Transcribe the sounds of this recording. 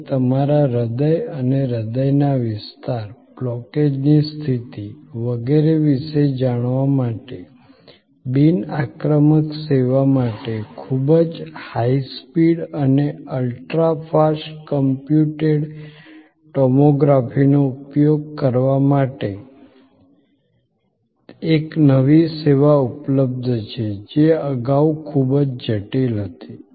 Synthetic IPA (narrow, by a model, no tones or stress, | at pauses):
t̪əmaɾaɾəd̪əjəneɾəd̪əjnaʋɪst̪aɾblɔked͡ʒnist̪ʰit̪iʋəɡeɾeʋiʃed͡ʒaɽ̃ʋamaʈe | binakɾəməkseʋamaʈekʰubəd͡ʒhaispiɽəneəlʈɾafʰaʃkəmpjuʈeɖ | ʈɔmoɡɾafinoupjoɡ̚kəɾʋamaʈe | eknəʋiseʋaupləb̚d̪ʱt͡ʃʰed͡ʒeəɡaukʰubd͡ʒd͡ʒəʈilɦət̪i